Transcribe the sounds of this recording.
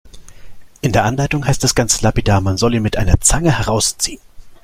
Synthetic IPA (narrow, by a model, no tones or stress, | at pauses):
ʔɪndeːɐʔanlaɪtʊŋɦaɪstd̥asɡ̥ant͡səlapidaːmanzɔliːnmɪtʔaɪnɐt͡saŋəhɛʁ̞aʊst͡siːən